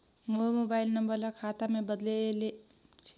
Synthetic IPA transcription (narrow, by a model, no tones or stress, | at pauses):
momobailnəmbəɾlʌkʰat̪amebəd̪lele | t͡ʃʰ